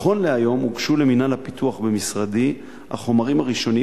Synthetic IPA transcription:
χo̞nleajo̞muɡʃule̞minalhapit̪uaχbemisʁad̪i | a̰χo̞maʁimaʁiʃo̞ni

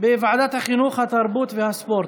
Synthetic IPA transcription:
beivʕad̪at̪haχinuχhat̪aɾbuːt̪vehaspoɾt̪

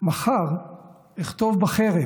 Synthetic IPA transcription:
maχaʁ | iχt̪o̞vbaχeʁe

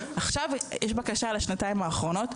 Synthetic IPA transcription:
aχʃavjʔɛʃbakaʃaleʃnataimaːχʁo̞no̞t

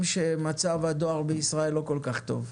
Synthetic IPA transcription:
mʃemat͡savad̪o̞aʁbeisʁaelːo̞ko̞lkaχt̪o̞̰v

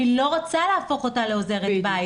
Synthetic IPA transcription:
ilo̞ʁat͡saleafo̞χo̞t̪ale̞o̞ze̞ʁeba

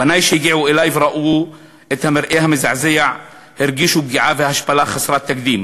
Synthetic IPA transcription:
banajʃejɡiʕuʔelajvɾˤaʔuː | ʔet̪hameɾʔehamezaʕzejaʕ | hɪɾɡiʃuɡiʕavehahaʃpalaχasɾˤat̪ːakd̪iːm

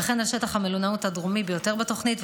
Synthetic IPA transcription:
χenhaʃetaχhamelunauthadʁumibejo̞te̞ʁbato̞χnitv

